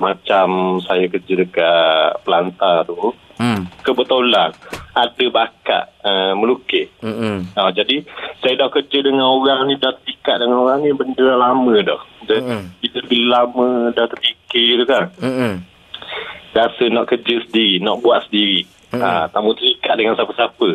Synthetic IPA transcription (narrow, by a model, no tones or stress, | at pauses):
mat͡ʃamsajakərd͡ʒədəkaʔpəlant̪at̪u | kəbət̪olaadəbaka̰ʔəməlukɪhad͡ʒadisajədakərd͡ʒədəŋanoɾaŋnidaht̪ərpikaʔ̚dəŋanoɾaŋnibəndəlamə̃dɔhdəbilələbilamədat̪ərpikɪt̪ukan | ɾasənɔʔkərd͡ʒəsəndiɾinɔʔbuat̪ʔ̪̚səndiɾi | at̪amut̪əlikaʔ̚dəŋansapəsapə